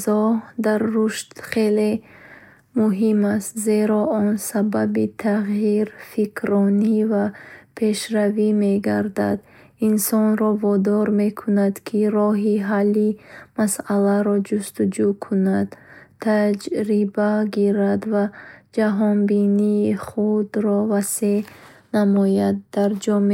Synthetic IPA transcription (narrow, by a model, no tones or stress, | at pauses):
zɔhd̪aɾːuʃt̪χe̞le̞ | muɦimast̪ze̞ɾɔɔnsababit̪ʰaʁjiɾfikʰɾɔnivapʰe̞ʃɾavime̞ɡaɾd̪a̰d̪ | insɔnɾɔvɔd̪ɔɾme̞kʰunad̪kʰiɾɔɦiɦalːimasalaɾɔd͡ʒust̪ud͡ʒukʰunad̪̥t̪ʰːad͡ʒɾibaɡiɾad̪vad͡ʒaɦɔnbiniːχud̪ɾɔvasenamɔjad̪ːaɾd͡ʒɔme